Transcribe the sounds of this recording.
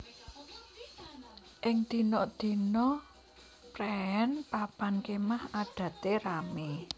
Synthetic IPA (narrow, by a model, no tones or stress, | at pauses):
ʔɪŋd̪̥i̤nɔʔd̪̥i̤nɔ | pɾɛɛnpapankemahaɖ̥ä̤t̪eɾame